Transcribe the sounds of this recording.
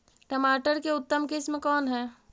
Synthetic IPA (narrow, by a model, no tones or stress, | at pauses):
ʈəmaːʈəɾkeʊt̪ːəmkɪsmekɔːnɦɛː